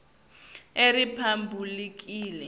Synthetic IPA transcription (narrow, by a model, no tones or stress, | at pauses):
eripʰambʱulik̬iːlɛ